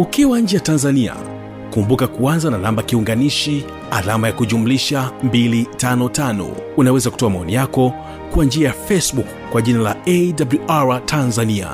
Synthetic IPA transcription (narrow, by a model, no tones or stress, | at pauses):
ukiwaɲ̩d͡ʒɛjatanzania̰ | kumbukakuanzananambakiuŋɡaniʃi | a̰lamajakuʄumuliʃambilitanɔtanɔ̰unawɛzaku̥tɔamaɔnijakɔ | kuand͡ʒiajafɛsɓuk | kːwaʄinala̰ɛdabluʔaɹatʰanzania̰